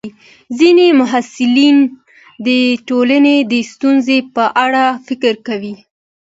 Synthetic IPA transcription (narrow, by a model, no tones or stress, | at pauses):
zinemʊɦasɪlin | d̪əʈolaned̪əst̪unzepəʔaɽafɪkɾkawi